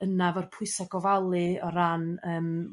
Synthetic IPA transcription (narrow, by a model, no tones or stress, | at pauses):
ənavɔrpʰʊɨsaɡɔvalˠɨɔɾanəːm